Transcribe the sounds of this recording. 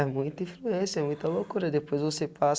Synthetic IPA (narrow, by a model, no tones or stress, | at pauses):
ɛmũj̃t̪ĩfluẽsɛmũj̃t̪ɐlokuɾɐd̪epojzvosepas